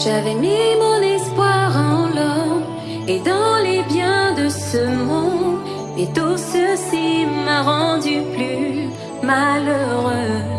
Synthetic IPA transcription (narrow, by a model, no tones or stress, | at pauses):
ʒavɛmimɔ̃nɛspwaʁɑ̃lɔm | ed̪ɑ̃lebjɛ̃d̪əsəmɔ̃d | et̪usəsimaʁɑ̃d̪yply | maløʁø